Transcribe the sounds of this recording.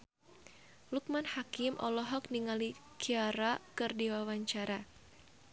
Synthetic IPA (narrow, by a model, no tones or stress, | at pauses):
luk̚manhakɪmʔɔ̰lɔɦɔk̚niŋalikʰiaɾakɨrdiwawaɲt͡ʃaɾa